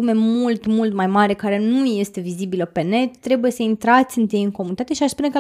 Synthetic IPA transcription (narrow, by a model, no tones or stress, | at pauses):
ume̞mult̪mult̪majmaɾe̞kaɾe̞nuje̞st̪e̞vizibiləpe̞ne̞t̪t̪ːɾe̞buje̞səint̪ɾat̪sʲɨnt̪jejɨŋkomunit̪at̪e̞ʃiaʃspunekə